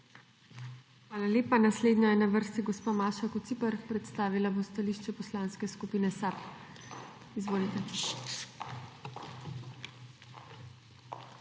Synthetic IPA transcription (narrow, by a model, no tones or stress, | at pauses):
xʋaːlaleːpanasleːd̪njajɛnaʋəɾst̪iɡɔspamaːʃakɔt̪sipəɾpɾɛt̪st̪aːʋilabost̪aliːʃt͡ʃɛpɔslaːnskɛskupiːnɛsap | izʋoːlit̪ɛ